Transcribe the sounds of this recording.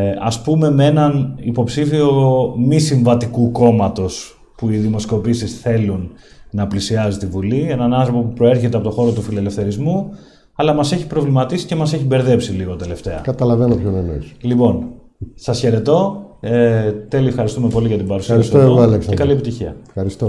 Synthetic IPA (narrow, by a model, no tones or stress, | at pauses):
ɐspume̞mee̞nɐnipo̞psifio̞misiɱvɐt̪ikuko̞mɐt̪o̞s | puiðimo̞sko̞pisisθe̞lunːɐplisiɐzit̪ivulie̞nɐnɐnθɾopo̞pupɾo̞e̞ɾçe̞t̪eɐpo̞t̪o̞xo̞ɾo̞t̪ufile̞le̞fθe̞ɾizmu | ɐlɐmɐse̞çi̥pɾo̞vlimɐt̪isi̥ce̞mɐse̞çibe̞ɾðe̞psiliɣo̞t̪e̞le̞ft̪e̞ɐ̰kɐt̪ɐlɐvenopçonenoslipo̞n | sɐsçe̞ɾe̞t̪o̞ | t̪e̞liefxɐɾist̪ume̞po̞liʝɐt̪ibɐɾusiɐɾsisoeɣoɐleksekɐliepit̪içiɐ̰fxɐɾist̪o